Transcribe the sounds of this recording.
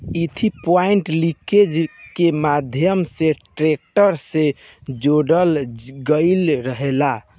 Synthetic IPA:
it̪ʰipaiɳʈliked͡ʒkemad̪ʱjəmseʈɾek̚ʈəɾse | d͡ʒoɽəlɡəɪlɾəɦela

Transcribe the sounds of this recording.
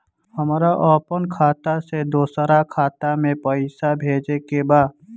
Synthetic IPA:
həmɾaʔɔːpənkʰaːt̪ased̪oːsəɾakʰaːt̪amẽpəɪsabʱeːd͡ʒekebaːd̪

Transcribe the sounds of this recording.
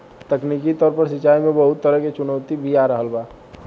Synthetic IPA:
t̪ɐkniːkit̪ɔːɾpəɾsɪt͡ʃaːimẽbəɦʊt̪ːəɾəɦket͡ʃʊnəʊt̪ibʱiaːɾəɦəlbaː

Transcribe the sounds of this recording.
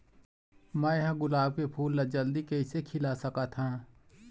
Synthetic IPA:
mɛ̃ːjɦãɡʊlaːb̚kepʰuːlːad͡ʒɐld̪ikɐisekʰɪlasɐkat̪ʰãː

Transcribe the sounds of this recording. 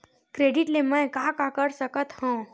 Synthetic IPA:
kɾeːɖɪʈlemɛ̃ːkaːkakəɾsəkət̪hõː

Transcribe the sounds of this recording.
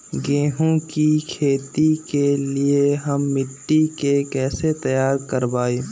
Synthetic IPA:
ɡẽːɦõkikʰeːt̪ikelieɦɐmːɪʈːikekɛːset̪ɐjaːɾkəɾbaːeː

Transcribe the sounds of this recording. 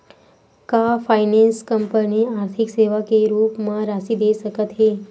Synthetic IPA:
kafajnenskəmpəniaɾt̪ʰikseʋakeɾuːpmaɾasid̪esəkət̪ɦe

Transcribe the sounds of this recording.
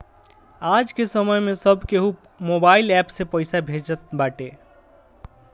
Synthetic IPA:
ad͡ʒkesəməjmesəbʱkeɦu | mobailɛpsepəɪsabʱed͡ʒət̪̚baʈe

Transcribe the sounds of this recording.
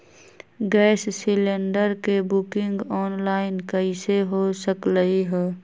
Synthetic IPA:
ɡɛːssɪleɳɖəɾkebʊkɪŋɡɔːnlaːɪnkəiseɦosəkləɦiɦɛː

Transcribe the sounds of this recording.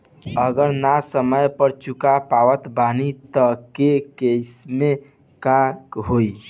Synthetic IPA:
əɡəɾnasəməjpəɾt͡ʃukapawət̪banit̪əkekesme | kakɦoi

